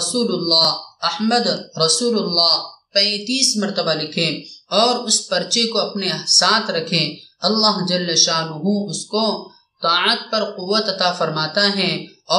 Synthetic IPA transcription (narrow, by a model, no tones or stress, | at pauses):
suːlʊlːaːɐhməd̪ɾɐsuːlʊlːaːpɛ̃ːt̪iːsmɐɾt̪əbalɪkʰẽɔːɾʊspɐɾt͡ʃekoɐpnesaːt̪ʰɾɐkʰẽɐlːaːɦd͡ʒɐlːəʃaːnʊɦũʊsko | t̪aːət̪̚pɐɾqʊʋːət̪ɐt̪afɐɾmaːt̪aɦɛ̃ɔː